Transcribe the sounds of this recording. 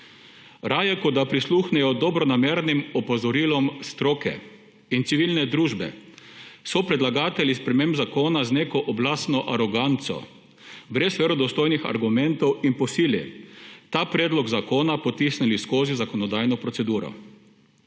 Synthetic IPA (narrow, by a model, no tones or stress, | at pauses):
ɾaːjɛkɔd̪apɾisluxnɛjɔd̪ɔbɾɔnameːɾnimɔpɔzɔɾilɔmst̪ɾoːkɛ̰ | int̪siʋilnɛd̪ɾuːʒbɛ̰ | sɔpɾɛd̪laɡaːt̪ɛlʲispɾɛmembzakoːnazneːkɔʔɔblaːsnɔʔaɾɔɡant̪sɔ̰ | bɾɛsʋeɾɔd̪ɔst̪oːjnixa̰ɾɡumɛnt̪ɔwinpɔsiːljɛ̰t̪aːpɾeːd̪lɔɡzakoːnapɔt̪isniliskoːzizakɔnɔd̪ajnɔpɾɔsɛd̪uːɾɔ̰